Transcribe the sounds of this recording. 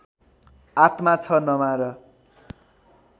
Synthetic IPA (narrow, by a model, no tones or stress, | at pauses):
at̪mat͡sʰʌnʌmaɾʌ